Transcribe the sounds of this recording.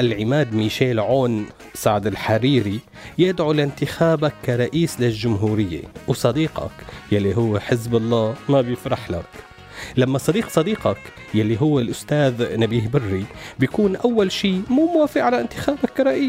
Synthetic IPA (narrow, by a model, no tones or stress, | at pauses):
ʔalʕɪmaːd̪miːʃeːlʕoːn | saʕd̪ɪlħaɾiːɾi | jɪd̪ʕulɪnt̪ɪxaːbakːaɾˤɑʔiːslɪlʒʊmɦuːɾɪjːḛwsˤɑd̪iːqɑ̰kjalːiɦʊwːeħɪzbɑlˤːaːmabjɪfɾˤɑħla̰k | lamːasˤɑd̪iːqsˤɑd̪iːqɑk | jalːiɦʊwːɪlʔʊst̪aːðnabiːhbɪrːibjakuːnʔawːalʃiːmuːmaːfiʔʕalaʔɪnt̪ɪxaːbakːaɾˤɑʔiːs